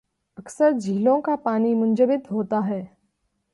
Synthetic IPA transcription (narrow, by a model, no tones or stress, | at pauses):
əksəɾd͡ʒʱiːlõkapaːniːmʊnd͡ʒəbɪt̪ɦoːt̪aɦɛː